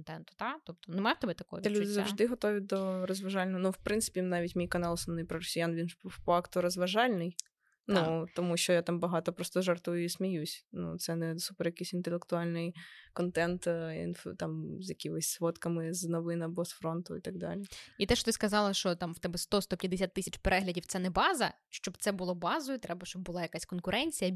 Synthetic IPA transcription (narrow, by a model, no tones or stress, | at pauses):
nt̪ɛnt̪ʊ̥d̪at̪ɔp̚t̪ɔnɪmajʊt̪ɛbɛt̪ɐkɔɦɔ̰ʋʲlʲud̪ɪzɐʐd̪ɪɦɔt̪oʋʲɪd̪ɔɾɔzʋɐʒalʲnɔɦɔnuwpɾɪntsɪ̥pʲnaʋʲitʲmʲijkɐnɑlˠɔsɐnɪjpɾɔɾɔsʲijanʋʲinffakt̪ʊɾɔzʋɐʒɑlʲnɪj | nut̪ɔmuɕt͡ʃɔjat̪ambɐɦɑt̪ɔpɾɔst̪ɔʒɐrt̪ujʊisʲmʲijusʲnṵt̪sɛnɛsupɛrjɐkɪjsʲɪnt̪elʲˠekt̪ʊalʲnɪjkɔnt̪ɛnt̪ḭnft̪ɑmzjɐkʲiɔsʲsʋɔt̪kɐmɪznɔʋɪnɐbɔsfɾɔnt̪ʊ̰it̪ɐɡd̪ɑ̰lʲiit̪ɛʃɔ̥t̪ɪskɐzɑlˠɐʃt͡ʃɔt̪ɑmwt̪ɛbɛst̪ɔst̪ɔpʲjɐd̪ːɪsʲat̪ːɪsʲɐt͡ʃpɛɾɛɦlʲɐdʲiwt̪sɛnɛbɑzɐ̰ | ʃt͡ʃɔbt̪sɛbʊlˠɔbɑzʊjʊt̪ɾɛbɐʃt͡ʃɔb̚ːʊlˠɑjɐkasʲkɔnkʊɾʔɛnʲt͡sʲijɐ